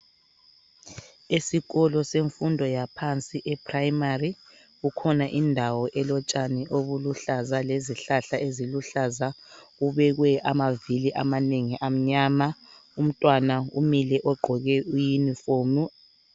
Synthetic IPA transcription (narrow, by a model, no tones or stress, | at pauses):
esiɣɔlɔseɱfundʱɔjapʰant͡sʼiʔɛpʰrajmari | ɣukʰɔnaʔindʱawɔʔɛlɔt͡ʃʼanɛʔoβuluɬazaleziɬaɬaeziluɬazauβɛɣwɛʔamaviliʔamaneŋiʔam̩ɲaːmaum̩tʼwanaṵmilɛʔɔɡ͡ǃʱɔɣɛujinifoːmu